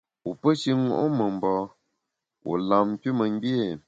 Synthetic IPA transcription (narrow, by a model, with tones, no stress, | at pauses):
u˨pə˦ʃi˦ŋo̰˨ʔo˦mə˨m˨bɔ˨ | wʔo̰˨la˨m˦ki˦mə˨ŋ˦bje˦˨